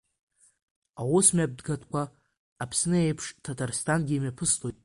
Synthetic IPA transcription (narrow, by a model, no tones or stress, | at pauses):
awʊsmʲab̚dɡatʰkʷʰaː | pʰsnɨejpʰʂtʰatʰarstʰanɡʲimapʰɨstʼojtʼ